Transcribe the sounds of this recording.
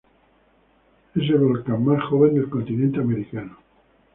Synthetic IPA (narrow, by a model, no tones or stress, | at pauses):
es̬elβolkammasxoβe̞nd̪e̞lkont̪inẽnt̪eameɾikano